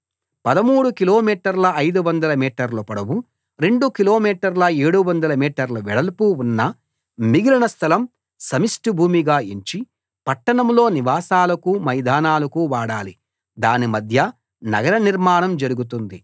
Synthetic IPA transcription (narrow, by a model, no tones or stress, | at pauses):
pɐd̪ɐmuːɽukilo̞ːmiːʈɐɾlɐɐjd̪uʋɐnd̪ɐlɐmiːʈɐɾlɐpɐɽɐwu | ɾe̞ɳɖukilo̞ːmiːʈɐɾlɐeːɽuʋɐnd̪ɐlɐmiːʈɐɾlɐʋɛɽɐlpuunːɐ | miɡilɐɳɐst̪ʰɐlɐm | sɐmisʈubʱuːmiɡaːiɲt͡ʃi | pɐʈːɐɳɐmlo̞ːniʋaːsaːlɐkumɐjd̪ʱaːnaːlɐkuʋaːɽaːli | d̪aːnimɐd̪ʱjɐ | nɐɡɐɾɐniɾmaːɳɐmd͡ʒɐɾuɡut̪̬und̪i